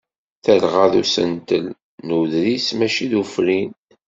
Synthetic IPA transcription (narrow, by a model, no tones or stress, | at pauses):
θəlʁaðusə̰nt̪əl | nuðɾismæʃiðufɾin